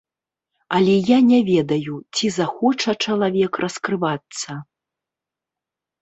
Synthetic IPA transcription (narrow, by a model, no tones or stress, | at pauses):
ɐlʲɛjanʲɛvʲɛd̪ɐjut͡sʲizaxɔt͡ʂɐt͡ʂɐlˠavʲɛkrʔɐskɾɨvat̪sːɐ